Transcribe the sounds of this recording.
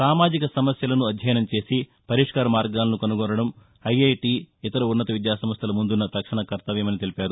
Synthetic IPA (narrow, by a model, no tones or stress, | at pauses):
saːmaːd͡ʒikɐsɐmɐsjɐlɐnuɐd̪ʱjɐjɐnɐmt͡ʃe̞ːsi | pɐɾiʂkaːɾɐmaːɾɡaːlɐnukɐnuɡɔːɾɐɽɐm | ɐjɐjʈiːit̪ɐɾuunːɐt̪ɐʋid̪jaːsɐmɐst̪jɐlɐmund̪unːɐt̪ɐkʂɐɳɐkɐɾt̪ɐʋjɐmɐnit̪e̞lipaːɾu